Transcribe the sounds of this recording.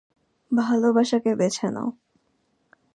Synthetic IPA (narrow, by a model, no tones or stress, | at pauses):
bʱalobaʃakebet͡ɕʰena̰o